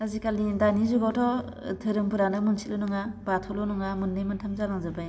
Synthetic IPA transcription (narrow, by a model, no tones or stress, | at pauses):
azikalindanizuɡɔtʰɔ | tʰɯɾɯmbɯɾanɯmɯnsʰilɯnuŋabatʰɔlɔnuŋamɯnːɯjmɯntʰamzalaŋzɯbaj